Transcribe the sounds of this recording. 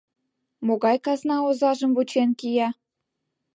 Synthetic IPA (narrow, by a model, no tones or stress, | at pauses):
moɣɑjkɑznɑozɑʒə̆mvut͡ɕenkijɑ